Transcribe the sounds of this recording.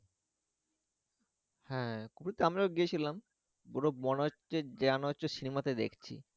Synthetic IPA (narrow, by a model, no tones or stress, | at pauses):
hɛ̃ːkupɾit̪ːeamɾaɡiet͡ɕʰilam | boɾomɔno | ed͡ʑeanot͡ɕosinimat̪ed̪ḛkʰt͡ɕʰḭ